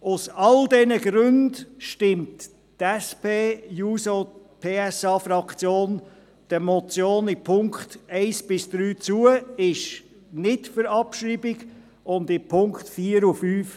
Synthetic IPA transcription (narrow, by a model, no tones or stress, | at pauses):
ʊsɑldɛnəɡɾʉndʃtɪmt | tɛspeːjuːso | pʰeːɛsɑːfɾɑkt͡sjoːn | d̥əmɔt͡sjoːnipʰʊŋkχtɛɪsb̥ɪsd̥ɾyːt͡suəɪʃ | nɪdfʏɾɑpʃɾiːbɪɡ | ʊndɪpʰʊŋktfiːəɾufyːf